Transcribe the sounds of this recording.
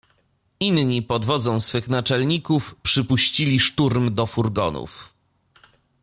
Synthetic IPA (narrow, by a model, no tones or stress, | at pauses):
inɲipɔd̪vɔd̪zɔ̃w̃sfɘxnat͡ʂɛlɲikufpʂɘpuɕt͡ɕilʲiʂt̪uɾmd̪ɔfuɾɡɔ̰nṵf